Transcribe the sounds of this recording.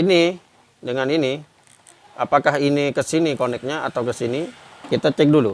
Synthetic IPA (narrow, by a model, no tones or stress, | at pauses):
ini | dəŋanini | a̰pakaɦinikəsinikonɛk̚ɲaa̰t̪awkəsinikit̪at͡ʃɛk̚dulu